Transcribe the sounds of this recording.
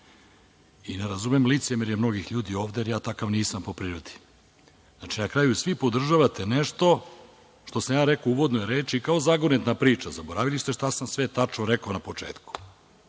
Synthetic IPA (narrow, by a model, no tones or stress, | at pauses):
ineɾazumemlit̪semiɾjemno̞ɡixʎuːd̪io̞ːʋd̪eɾjaːt̪akaʋniːsampo̞pɾiɾod̪i̥ | znat͡ʃinakɾaːjusʋipo̞d̪r̩ʒaʋat̪e̞neʃt̪o̞ | ʃt̪o̞samjaːɾekouʋo̞d̪nojeɾeːt͡ʃikaozaɡonet̪napɾiːt͡ʃazaboɾaʋilist̪eʃt̪asamsʋet̪at͡ʃnoɾekaonapo̞t͡ʃḛːt̪ku̥